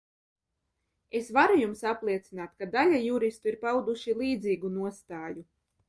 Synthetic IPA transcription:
esvaɾujumsaplˠiɛt̪sinaːt̪̚kad̪alʲajuɾist̪uiɾpawd̪uʃilˠiːd̪ziːɡunuɔst̪aːju

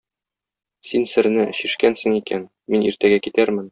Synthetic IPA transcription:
sinsɘ̆ɾnɘɕiʃkænsɘŋikæn | miniɾt̪æɡækit̪æɾmɘn

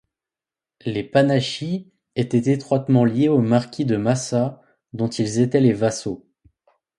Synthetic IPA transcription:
lepanaʃi | et̪ɛt̪et̪χwat̪mɑ̃ljeomaʁkʲʰid̪əmasa | d̪ɔ̃t̪ilzet̪ɛlevaso

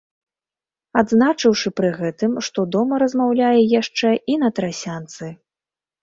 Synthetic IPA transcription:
ad̪znat͡ʂɨwʂɨpɾɨɣɛt̪ɨmʂt̪ɔd̪ɔmɐɾɐzmawlʲajɛjaʂt͡ʂɛʔin̪ɐt̪ɾasʲant̪sɨ

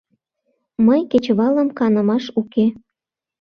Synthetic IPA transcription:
məjket͡ɕβɑlə̆mkɑnə̆mɑʃuke

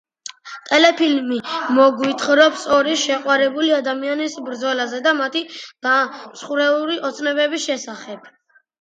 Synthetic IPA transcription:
t̪ʼɛlɛpʰilmimɔɡwit̪ʰχɾɔpsɔɾiʃɛqʼwaɾɛbuliad̪amianisbɾd̪zɔlazɛd̪amat̪ʰid̪̥amsχuɾɛuɾiʔɔt̪sʰnɛbɛbisʃɛsaχɛb̥̚

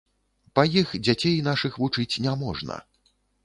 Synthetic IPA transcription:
pɐjixd͡zʲat͡sʲejn̪aʂɨxvut͡ʂɨt͡sʲnʲamɔʐnɐ̰

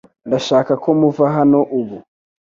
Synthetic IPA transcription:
ndaʃakakomuvaɦanoʔuβu

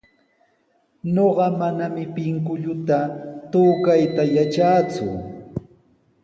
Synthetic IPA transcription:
noɢɑmanamɪpɪŋkʊʎʊt̪at̪uːkajt̪ajat͡ʃaːt͡sʊ̰

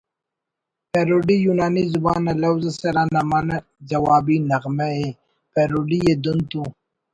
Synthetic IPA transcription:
peɾoɖijunɑːnizʊbɑːnalawzasaɾanamana | zawɑbinaɣmae | peɾoɖijed̪unt̪u

